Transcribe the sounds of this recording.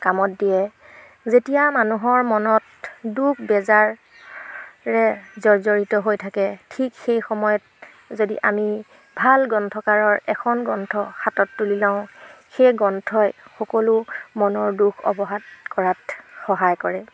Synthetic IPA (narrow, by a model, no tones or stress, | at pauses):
kamɔtdijɛ | zetijamanuɦɔɹmɔnɔt | dukʰbɛzaɹ | ɛzɔɹzɔɹitɔɦojtʰakɛtʰikxejxɔmɔjɔt̚ | zodiʔami | bʱalɡɔntʰɔkaɹɔɹɛkʰɔnɡɔntʰɔxatɔtːulilãʊ̃xejɡɔntʰɔjxɔkɔlumɔnɔɹdukʰɔ̰bɔɦatkɔɹatxɔɦajkɔɹɛ